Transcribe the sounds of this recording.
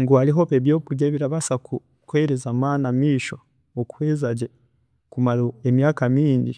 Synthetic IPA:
ŋɡuaɾiɦo̞βeβjo̞ːβuɾɟeβiɾaβasaku | kweɾezamaːnamiːʃo̞ | oku̥heːzaɟe | kumaɾoemjaːkamiːɲɟi

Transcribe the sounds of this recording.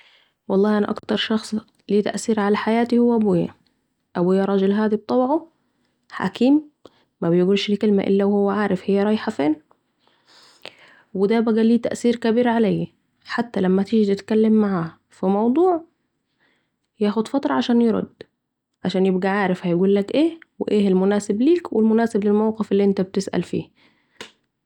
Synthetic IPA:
wɑlˤːɑːhʔænæʔɑ̰kt̪ɑɾˤʃɑxsˤ | liːt̪æ̰ʔsiːɾʕalæħajæːt̪ihʊwːæʔæbojːæ | ʔæboːjæɾˤɑːd͡ʒɪlɦæːd̪ib̚t̪ˤɑbʕo | ħa̰kʰiːmː | æbejɡuːlʃlkelmæʔɪ̰lːæwhʊwːæʕaːɾɪfhɪjːæɾˤɑːjħafeːn | wɪd̪æbæɡæliːt̪æ̰ʔsiːɾkæbiːɾʕalæjː | ħat̪ːælæmːæt̪iɡit̪ɪt̪kælːemːaʕaː | fimɑwd̪ˤuːʕ | jæːxod̪fɑt̪ɾˤɑʕaʃæːnjeɾˤo̰d̪ː | ʕaʃæːnjebɡæʕaːɾɪfhæjɡuːlːækʔeːweʔeːelmʊnæːsɪbliːkwɪlmʊnæːsɪblɪlmawqefelːiːʔent̪æb̚t̪ɪsʔæ̰lfḭː

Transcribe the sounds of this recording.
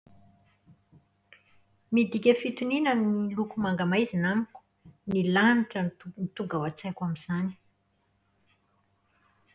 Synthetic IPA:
mid̪ikʲəfit̪uninənilukumaŋɡamajzinamiku̥ | nilaniʈ͡ʂənit̪uɡawat͡sakamiz̥ani̥

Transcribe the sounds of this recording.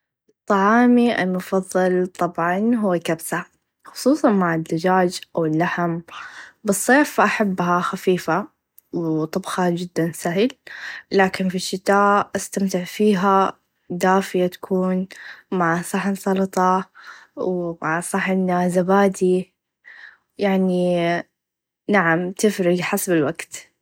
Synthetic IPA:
ʔɨt̪ˤːɑʕɑːmiʔa̰lmʊfɑðˤːɨlt̪ˤɑbʕɑnɦʊwːakabsa | xʊ̥sˤuːsˤɑnmaʕɪd̪ad͡ʒaːd͡ʒʔawɪlːaħɪmbɨsˤːeːfʔaħabːɦaxafiːfa | wt̪ˤɨbxɑd͡ʒɪd̪ːansahɪllaːkɪnfiʃːɪt̪aːʔʔast̪amt̪ɪʕfiːɦa | d̪aːfɪjat̪ḁkʰuːnmaʕsˤɑħnsˤɑlt̪ˤɑ | wmaʕsˤɑħɪnːaːzabaːd̪i | jaʕni | naʕamt̪ɪfɾɪɡħasbɪlwaɡt̪

